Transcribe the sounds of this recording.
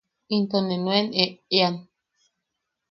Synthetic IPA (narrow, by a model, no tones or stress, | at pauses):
int̪onenweneean